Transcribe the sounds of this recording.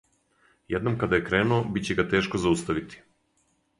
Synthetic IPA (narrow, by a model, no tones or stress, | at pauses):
jed̪no̞mkad̪ajekɾe̞ːnuobit̪t͡ɕeɡat̪e̞ːʃkozaust̪aʋit̪i̥